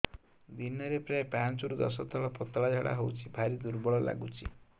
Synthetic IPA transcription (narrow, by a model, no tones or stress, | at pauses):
d̪inɔɾepɾaepant͡ʃuɾud̪ɔs̬ɔt̪ʰɔɭɔpɔt̪ɭad͡ʒʱaɽa̰ɦowt͡ʃʰibʱaɾid̪uɾbɔɭɔla̰ɡut͡ʃʰi